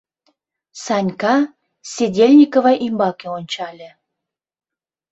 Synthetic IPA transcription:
sɑnʲkɑ | sʲedʲelʲnʲikovɑʔimbɑkeonʲt͡ɕɑlʲĕ

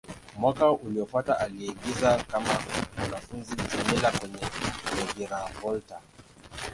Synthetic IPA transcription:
mwakauliɔfataʔaliaɡizakamawanafunzitɛmɛlakwɛɲɛlɛɡiɾavɔlta

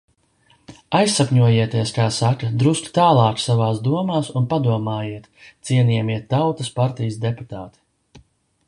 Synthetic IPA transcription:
ajsːakɲuɔjiɛt̪iɛskaːsakɐd̪ɾuskt̪aːlˠɑːksavaːsd̪uɔmaːsunpad̪uɔmaːjiɛt̪t̪siɛnʲiɛmiɛt̪ːawt̪ɐspaɾt̪ijəsd̪eput̪aːt̪i̥

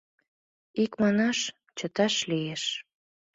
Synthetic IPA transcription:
ikmɑnɑʃ | t͡ɕət̪ɑʃlieʃ

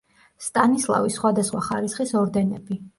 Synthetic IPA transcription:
st̪ʼanislˠa̰visχwad̪asχwaχaɾisχisɔɾd̪ɛnɛbi

